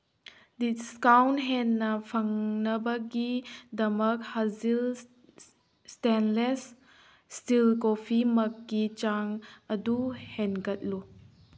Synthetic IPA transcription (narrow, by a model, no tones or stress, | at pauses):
diskawnɦenːɐpʰɐŋnɐbɐɡidɐmɐk̚hazil | stenles | stilkopʰimɐkɡit͡ʃaŋɐduhenɡɐt̚lu